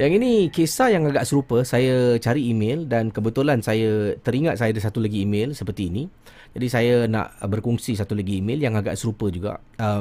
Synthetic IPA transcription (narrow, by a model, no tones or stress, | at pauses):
jaŋinĩkesajaŋaɡaʔsəɾupəsajat͡ʃaɾiːmẽldankəbət̪ulansajat̪əɾiŋãt̪̚sajadəsat̪ulaɡiːmẽlsəpərt̪iːnĩ | d͡ʒadisajana̰ʔbərkɔŋsisat̪ulaɡiːmẽljaŋaɡa̰ʔsəɾupəd͡ʒuɡa̰ʔ | ə